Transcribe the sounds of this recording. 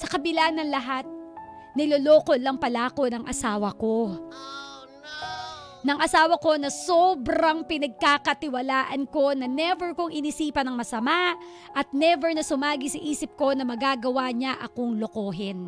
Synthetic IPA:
sɐkɐbɪlanɐŋlɐɦat̪̚ | nɪloloːkolɐŋpɐlaːko̞nɐŋʔɐsaːwɐko̞ | nɐŋʔɐsaːwɐko̞nɐsobɾɐŋpɪnɐɡ̚kakɐt̪ɪwɐlaːʔɐnko̞nɐnɛvɛɹkoŋʔɪnisiːpɐnɐŋmɐsɐmaʔ | ʔɐt̪̚nɛvɛɹnɐsʊmaːɡisɐʔiːsɪp̚ko̞nɐmɐɡaɡɐwaɲaʔɐko̞ŋloko̞ːɦɪn

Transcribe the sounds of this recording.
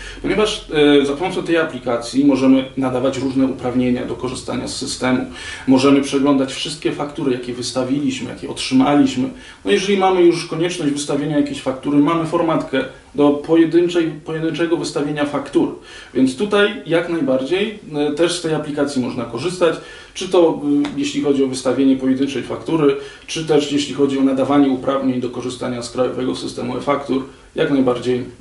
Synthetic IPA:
pɔɲevaʂvzapɔmɔt̪sɛt̪ɛjaplʲikat̪sʲjimɔʐɛmɘnad̪avat͡ɕɾuʐnɛupɾavɲeɲa̰d̪ɔkɔʐɘst̪a̰ɲa̰sːɘst̪ɛmumɔʐɛmɘpʂɛɡlɔnd̪at͡ɕfʂɘst̪kʲɛfakt̪uɾɘjakʲɛvɘst̪avʲilʲiɕmɘja̰kʲjɛɔtʂɘmalʲiɕmɘ | nɔjɛʐɛlʲimamɘjuʂkɔɲɛt͡ʂnɔʑd͡ʑvɘst̪avʲjeɲajakʲeɕfakt̪uɾɘmamɘfɔɾmat̪kɛ | d̪ɔpɔjɛd̪ɘnt͡ʂɛjpɔjɛd̪ɘnt͡ʂɛɡɔvɘst̪avʲjeɲafakt̪uɾ | vʲjɛnt̪st̪ut̪ajjaknajbaɾd͡ʑejt̪ɛʂst̪ɛjaplʲikat̪sʲimɔʐnakɔʐɘst̪at͡ɕ | t͡ʂɘt̪ɔjeɕlʲixɔd͡ʑiɔvɘst̪avʲjeɲɛpɔjɛd̪ɘnt͡ʂɛjfakt̪uɾɘ | t͡ʂɘt̪ɛʂjeɕlʲixɔd͡ʑiɔnad̪avaɲɛupɾavɲeɲd̪ɔkɔʐɘst̪aɲaskɾajɔ̰vɛɡɔsɘst̪ɛmuɛ̰fakt̪uɾ | jaknajbaɾd͡ʑej

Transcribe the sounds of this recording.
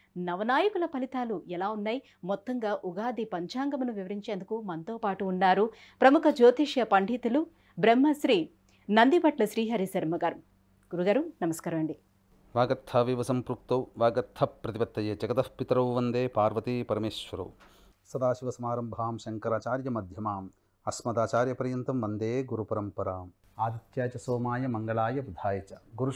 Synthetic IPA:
nɐʋɐnaːjɐkulɐpɐlit̪aːluɛlaːunːaːj | mɔt̪ːɐŋɡaːʔuɡaːd̪ipɐɲt͡ʃaːŋɡɐmɐnuʋiʋɐɾiɲt͡ʃeːnd̪ukumɐnt̪oːpaːʈuːnːaːɾu | pɾɐmukʰɐd͡ʒoːt̪iʂjɐpɐɳɖʱit̪ulu | bɾemːɐsɾiː | nɐnd̪ipɐʈlɐʃɾiːɦɐɾisɐɾmɐɡaːɾ | ɡ̥uɾuɡaːɾunɐmɐskaːɾɐʋɐɳɖi | ʋaːɡɐt̪ʰːaːʋiʋɐsɐmpɾuk̚t̪ɐwʋaːɡɐt̪ʰːɐpɾɐt̪ibɐt̪ːɐjɐt͡ʃɐɡɐt̪ɐhpit̪ɾɐwʋɐnd̪eːpaːɾʋɐt̪ipɐɾɐmeːʃʋɐɾɐ̰w | sɐd̪aːʃiʋɐsɐmaːɾɐmbʱaːmʃɐŋkɐɾaːt͡ʃaːɾjɐmɐd̪ʱjɐmaːm | ɐsmɐd̪aːt͡ʃaːɾjɐpɐɾjɐnt̪ɐmʋɐnd̪eːɡuɾupɐɾɐmpɐɾaːm | aːd̪it̪jaːt͡ʃɐsoːmaːjɐmɐŋɡɐɭaːjɐbud̪ʱaːjɐt͡ʃɐɡuɾu

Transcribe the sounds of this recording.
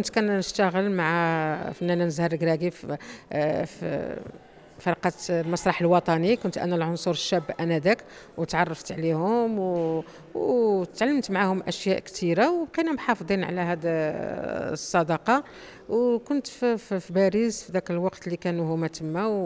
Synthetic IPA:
kʊnt̪kænnəʃt̪æɣəlmaʕafənːænænəzhɑɾˤəɡɾæɡif | f | fɑɾˤqɑt̪mɑsˤɾˤɑħəlwɑt̪ˤɑnikʊnt̪ʔæ̰nælʕonsuɾəʃːæbːʔænæd̪ækwt̪ʕɑrˤːɑft̪ʕlihʊmw | wt̪ʕalːəmt̪maʕahʊmʔəʃjæʔkt̪ʰiɾawbqinæbħɑfd̪ˤinʕlæɦæd̪ | sˤːɑd̪ɑqɑ | wkʊnt̪fibæɾizfid̪ækəlwɑqt̪likænuhʊmæt̪əmːæw

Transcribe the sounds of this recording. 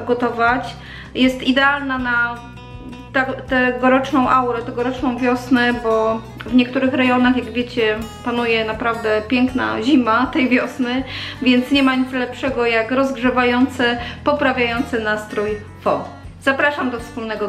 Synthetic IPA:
ɡɔt̪ɔvat͡ɕ | jɛst̪id̪ɛalnana | t̪at̪ɛɡɔɾɔt͡ʂnɔ̃w̃ʔawɾɛt̪ɛɡɔɾɔt͡ʂnɔ̃w̃vʲjɔsnɛbɔ | vɲɛk̚t̪uɾɘxɾɛjɔnaxjaɡvʲjet͡ɕɛpanujɛnapɾavd̪ɛpʲjɛŋkna̰ʑimat̪ɛjvʲjɔsnɘvʲjɛnt̪sɲɛmaɲit̪zlɛpʂɛɡɔjakɾɔzɡʐɛvajɔnt̪sɛpɔpɾavʲjajɔnt̪sɛnast̪ɾuj | fɔ̰ | z̥apɾaʂamd̪ɔfspulnɛɡɔ

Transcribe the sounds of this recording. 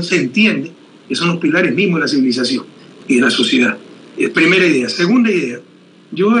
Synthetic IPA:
seːnt̪je̞nd̪e | keso̞nlospilaɾezmizmozðelas̬iβilis̬asjo̞ŋiðe̞laso̞sje̞ðaðepɾime̞ɾaiðe̞ase̞ɣund̪aiðe̞a | ʝo

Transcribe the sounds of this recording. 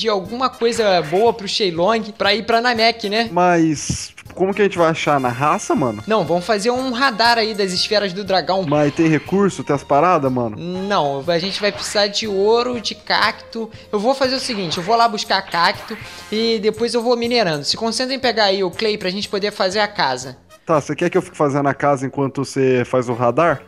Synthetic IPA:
d͡ʒɪawɡũmɐkojzɐbowɐpɾʊʃejlõɡɪpɾɐipɾɐnamɛkɪnɛmajst͡ʃpʊ̥kõmʊkɪɐʒẽnt͡ʃɪvajaʃaɾnɐɦasɐmɐ̃nʊnɐ̃w̃vɐ̃mʊfazeɾũɦad̪aɾaid̪ɐzɪsfɛɾɐzd̪ʊd̪ɾaɡɐ̃w̃mɐ̃t̪ẽj̃hekuɾsʊt̪ẽɐspaɾad̪ɐmɐ̰̃nʊnɐ̃w̃aʒẽnt͡ʃɪvajpɾɪsizaɾd͡ʒɪoɾʊd͡ʒɪka̰kt̪ʊ | ewvofazeɾʊsiɡĩnt͡ʃɪewvolabuskaɾkakt̪ʊɪd̪epojzewvomineɾɐ̃nd̪ʊsɪ̥kõsẽnt̪ɾẽj̃peɡaaiʊklejpɾɐːʒẽnt͡ʃɪ̥pod̪eɾfazeɾɐkazɐ | t̪asekɛɾkɪewfi̥kɪ̥fazẽnd̪ʊakazɐẽŋkwɐ̃nt̪ʊsefajzʊɦad̪aɾ

